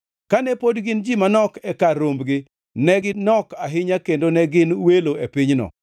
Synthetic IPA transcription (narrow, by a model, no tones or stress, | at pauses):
kanɛpodɡɪnd͡ʒimanɔkɛkaɾombɡɪ | nɛɡɪnɔkaɦɪɲakendonɛɡɪnweloepɪɲnɔ̰